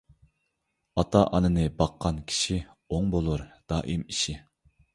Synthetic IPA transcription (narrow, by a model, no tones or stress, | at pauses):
ɑt̪ʰɑʔɑnɨnɨbɑqʰːɑnkʲʰi̥ʃi | oŋbolˠuɾd̪̥ɑːʔimiʃi